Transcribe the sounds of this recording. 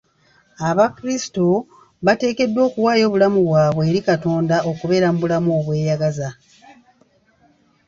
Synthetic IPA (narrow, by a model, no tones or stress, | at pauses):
aβakɾisi̥to̞ | βate̞ːke̞dːwo̞ːkuwaːjo̞ːβulamuβwaːβweeːɾikato̞ːndaʔo̞kuβe̞ːɾamuβulamoːβwe̞ːjaɡaza